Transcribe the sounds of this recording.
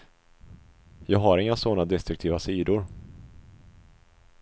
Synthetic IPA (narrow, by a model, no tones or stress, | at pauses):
jɑːɡɦaɾɪŋːasɔnːad̪ɛst̪ɾɵk̚t̪ʰiːvasiːd̪ʊɾ